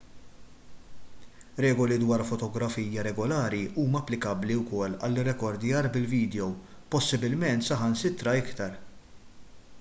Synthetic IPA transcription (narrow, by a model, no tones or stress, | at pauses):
ɾɛːɡɔlid̪wɐːɾfɔt̪ɔɡɾɐfiːjɐɾɛɡɔlɐːɾiʔuːmɐɐpːlɪkɐbliwkɔlːɐ̰lːɪrːɛkɔɾd̪jɐːɾbɪlviːd̪ɛjɔw | pɔsːɪbɪlmɛnt̪sɐħɐnsɪt̪ːɾɐɪkt̪ɐɾ